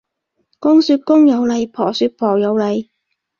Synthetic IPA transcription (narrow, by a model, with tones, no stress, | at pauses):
kʊ˥ŋsyː˧t̚kʊ˥ŋjɐ˨˧wlɐ˨˧jpʰɔː˨˩syː˧t̚pʰɔː˨˩jɐ˨˧wlɐ˨˧j